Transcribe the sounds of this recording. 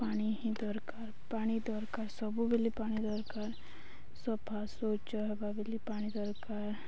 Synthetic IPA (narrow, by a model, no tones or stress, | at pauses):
paːñiɦĩd̪ɔɾkaːɾpaːɽ̃id̪ɔɾkaːɾsəbubelipaːɽ̃id̪ɔɾkaːɾ | sɔbpʰasot͡ʃaɦɛbabilipaːɽ̃id̪ɔɾkaːɾ